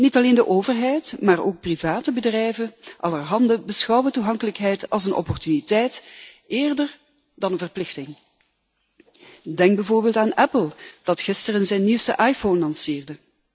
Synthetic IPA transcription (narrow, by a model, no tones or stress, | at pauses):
nitɑleːndəʔoːvərɦɛjtmaːroːk̚privaːtəbədrɛjvəʔɑlərɦɑndəbəsxɑwətuɦɑŋkələkɦɛjtɑ̰lˠsənʔɔ̰pɔrtynitɛjt | eːrdər | dɑnənvərplɪxtɪŋ | dɛŋɡ̚bɛvoːrbeːlˠtaːnɛpəlˠd̥ɑtxɪstərənzɛjnːiwstə̰ʔaːjfoːnlɑnsɪːrdə